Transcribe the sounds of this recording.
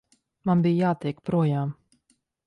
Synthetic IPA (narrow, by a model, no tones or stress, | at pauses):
manbijjaːt̪ɛɛkpɾuɔjaːm